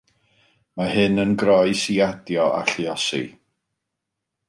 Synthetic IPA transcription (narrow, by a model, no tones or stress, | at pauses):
mahɨnənɡɾɔjsiadjɔʔa̰ɬjɔsḭ